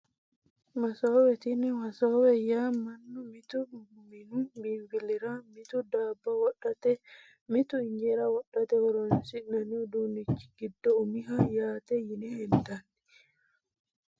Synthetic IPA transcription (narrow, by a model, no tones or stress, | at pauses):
mɐsoːwɛt̪inɛmɐsowɛjamɐnːumit̪u | minubiːmbiliɾamit̪ud̪aːbːawɔɗat̪ɛ | mit̪uɪɲd͡ʒɛɾawɔɗːɐt̪ɛhɔɾɔnsinːɐnid̪uːnit͡ʃːi̥ɡid̪ːɔumiɦajaːt̪ɛjinɛhɛnt̪anːi